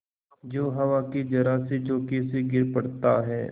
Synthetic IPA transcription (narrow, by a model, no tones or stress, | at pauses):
d͡ʒoːɦɐʋakid͡ʒɐɾaːsid͡ʒoːkeseɡɪɾpɐɽt̪aɦɛ̰ː